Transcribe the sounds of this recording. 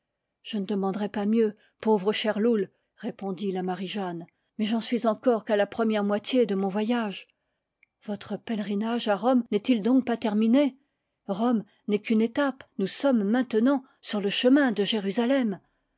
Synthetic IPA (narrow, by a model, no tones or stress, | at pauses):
ʒ̥ənəd̪əmɑ̃d̪ʁɛpamjø | povʁəʃɛʁlul | ʁepɔ̃d̪ilamaʁiʒan | mɛʒənɑsɥizɑ̃kɔʁkalapχəmjɛʁmwat̪jed̪əmɔ̃vwajaʒ | vɔt̪χəpɛlʁinaʒaʁɔmnɛt̪ild̪ɔ̃k̚pat̪ɛʁmine | ʁɔm | nɛkynet̪apnusɔmːɛ̃t̪ənɑ̃ | syʁləʃəmɛ̃d̪əʒeʁyzalɛm